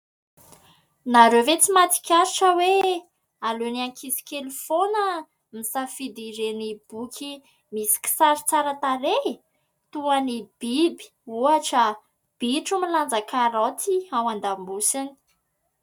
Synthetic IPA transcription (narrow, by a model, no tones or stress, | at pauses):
naɾevet͡simat̪i̥kʲaɾiʈ͡ʂəwe | aluniaŋkʰisi̥kelufonə | misafid̪iɾenib̥ukʲʰi | misi̥kʲi̥saɾit͡saɾət̪aɾe | t̪uanib̥ibi̥uaʈ͡ʂə | b̥iʈ͡ʂumiland͡zakaɾat̪iawand̪ambusini̥